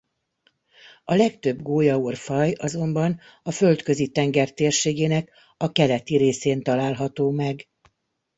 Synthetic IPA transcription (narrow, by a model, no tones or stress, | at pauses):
ɒlɛkt̪ø̞bɡoːjɒurfɒjɒzo̞mbɒn | ɒfølt̪kø̞zit̪ɛŋɡɛrt̪eːrʃeːɡeːnɛk | ɒkɛlɛt̪iɾeːseːnt̪ɒlaːlɦɒt̪oːmɛɡ